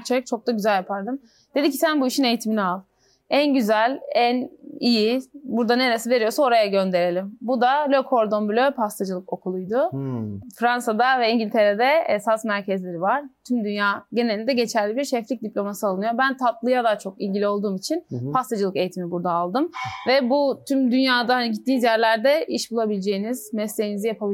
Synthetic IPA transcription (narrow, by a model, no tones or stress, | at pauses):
t͡ʃʰeɾɛc̚t͡ʃʰo̞k̚t̪aɟyzælʲjapʰaɾd̪ɯm | d̪̥ed̪icʰːi̥sænbuiʃine̞jit̪ʰiminialˠ | ænɟyzælʲænijibuɾd̪ane̞ɾesive̞ɾijo̞suno̞ɾajaɟø̞nd̪e̞ɾe̞lʲimbud̪alʲøkʰo̞ɾd̪o̞mbylʲøpʰast̪ʰad͡ʒɯlˠɯko̞kʰulˠujd̪ʊ | fɾansad̪avɛiɲɟilʲt̪ʰe̞ɾed̪ɛesasmæɾcʰɛzlʲe̞ɾivaɾ̥t̪ʰymd̪ynjaːɟenelʲind̪ɛɟe̞t͡ʃʰæɾlʲibiɾʃɛflʲic̚d̪iplʲo̞masɯalˠɯnɯjobænt̪ʰat̪lˠɯjad̪aːt͡ʃʰo̞kilʲɟilʲio̞lˠd̪uːmit͡ʃʰinpʰast̪ʰad͡ʒɯlˠɯke̞jit̪ʰimibuɾd̪aːlˠd̪ɯmvɛbut̪ʰymd̪ynjaːd̪ahaniɟit̪ʰːiːnzjæɾlʲæɾd̪ɛiʃbulˠabilʲed͡ʒe̞jiniz̥mɛslʲe̞jinizijapʰabi